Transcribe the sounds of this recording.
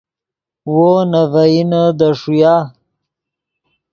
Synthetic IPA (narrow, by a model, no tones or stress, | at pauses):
wonavainəd̪əʂuja